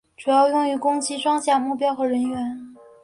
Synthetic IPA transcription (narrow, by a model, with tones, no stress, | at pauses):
ʈ͡ʂu˨˩jɑ˥˧ʊjʊ˥˩ŋy˧˥kʊ˥ŋt͡ɕʰi˥ʂwɑ˥ŋɕja˥˩mu˥˩pjɑ˥ʊxɤ˧˥ɻə˧˥nɥɛ˧˥n